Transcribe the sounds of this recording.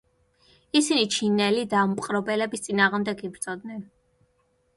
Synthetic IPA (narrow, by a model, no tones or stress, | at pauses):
isinit͡ʃʰinɛlid̪ampʼqʼɾɔbɛlɛbist̪sʼinaːʁmd̪ɛɡibɾt̪sʼɔd̪nɛn